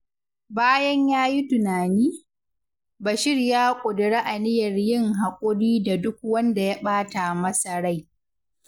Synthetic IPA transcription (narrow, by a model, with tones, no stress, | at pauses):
baː˦jɐ˦ɲjaː˦ji˦tʊ˨naː˨niː˦ | ba˨ʃɪ˦ɽjaː˦kʷʼʊ˨dɪ˨ɽeː˦ʔa˨nɪ˦jɐ˨rjɪ˦˨ŋɦa˨kʷʼʊ˦ɽiː˦da˨dʊ˦k̚wɐ˦nda˨ja˦ɓaː˦ta˨mɐ˦sa˨ɽa˦j